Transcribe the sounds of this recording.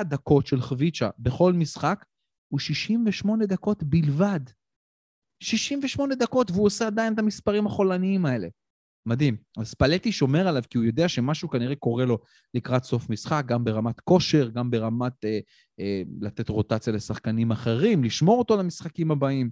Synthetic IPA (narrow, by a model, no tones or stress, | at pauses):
d̪ako̞tʃe̞lχvit͡ʃa̰be̞χo̞lmisχak | uʃiʃimveʃmo̞ne̞d̪ako̞t̪bilvad̪ | ʃiʃimveʃmo̞ne̞d̪ako̞tveuosead̪ajinet̪amispaʁimhaχo̞laniimae̞le̞ | mad̪imazpale̞t̪iʃo̞me̞ʁalavkiujo̞d̪eaʃe̞maʃukaniʁe̞ko̞ʁe̞lo̞ | likʁat̪so̞fmisχak̚ɡambe̞ʁamat̪ko̞ʃe̞ʁɡambe̞ʁamate | elat̪e̞t̪ʁo̞tat͡sjale̞saχkanimaχe̞ʁimliʃmo̞ʁot̪o̞lamisχakimhabaim